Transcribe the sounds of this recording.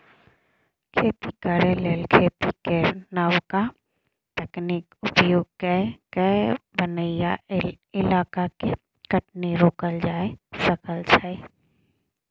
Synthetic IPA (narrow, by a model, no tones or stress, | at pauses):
kʰeːt̪ikəɾeleːlkʰeːt̪ikenaːwka | t̪ɛːknikʊpjoːɡ̚kɛkɛbənəɪja | ɪlaːkake | kɐʈneɾoːkəld͡ʒaːesɐkəlt͡ʃʰae